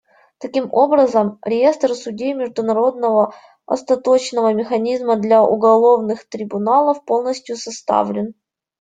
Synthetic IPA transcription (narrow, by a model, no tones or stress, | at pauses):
t̪ɐkʲimʔo̞bɾəzəmɾʲɪje̞st̪rsʊdʲemʲɪʐd̪ʊnɐɾo̞d̪̚nəvə | ɐ̰st̪ɐt̪o̞t͡ɕnəvəmʲɪxɐnʲizməd̪lʲaʔʊ̰ɡɐlˠo̞vnɨxt̪ɾʲɪbʊnalˠəfpo̞lˠnəsʲtʲjʊsɐst̪a̰vlʲɪn